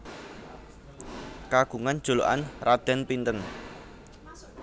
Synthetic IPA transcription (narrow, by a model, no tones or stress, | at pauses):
kaɡ̥ṳŋan̥ʒ̥o̤lo̰ʔanrad̪̥ɛ̤npint̪ən